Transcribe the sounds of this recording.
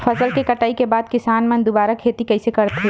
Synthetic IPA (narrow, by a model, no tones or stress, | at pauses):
fʰɐsəlkekəʈaːikebaːd̪̚kɪsaːnmẽnd̪ʊbaːɾakʰeːt̪ikɐɪsekɐɾt̪ɦe